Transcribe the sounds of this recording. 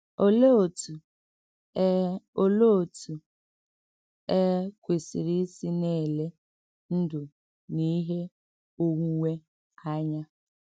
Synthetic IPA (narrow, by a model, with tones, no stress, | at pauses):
o˦lo˦˨tu˨ | o˦lo˦˨tʰu˨ | e˦kʷe˨sḭ˨ɾi˦si˦ne˦˨le˦ | n̩˦du˨ | ni˦ɦe˦ | o˦ŋu˦ŋe˦ | a˦ɲa˦